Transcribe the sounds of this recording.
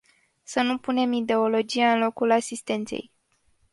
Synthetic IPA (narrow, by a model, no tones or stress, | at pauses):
sənupune̞mid̪e̞o̞lo̞d͡ʒiaɨnlo̞kulasist̪e̞nt̪se̞̰j